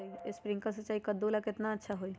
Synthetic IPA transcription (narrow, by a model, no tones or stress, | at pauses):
iespɾĩŋkəsət͡ʃaɦikəd̪olaket̪naətːʃʰaɦoi